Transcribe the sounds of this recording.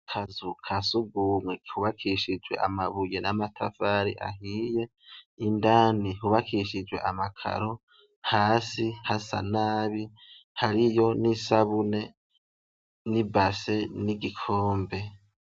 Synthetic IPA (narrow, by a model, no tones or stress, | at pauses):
kʰazukʰasuɡumwehuβakʰiʃid͡ʒɡwe̞̰ʔa̰maβuje̞namatʰafaːɾḭʔa̰ɦije̞ | indaːnihuβakʰiʃid͡ʒwe̞̰ʔamakʰa̰ɾo | haːsihasa̰naːβi | haɾijo̞nisaβune̞ | nibase̞niɡikʰoːmbe̞